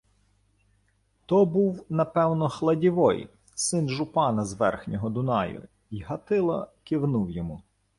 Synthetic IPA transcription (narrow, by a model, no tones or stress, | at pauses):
t̪ɔbuwnɐpɛwnɔxlˠɐdʲiʋɔj | sɪnʒʊpɑnɐzʋɛ̰rxnʲɔɦɔd̪ʊnɑjʊ̰ | iɦɐt̪ɪlˠɐ̰kɪwnuwjɔmu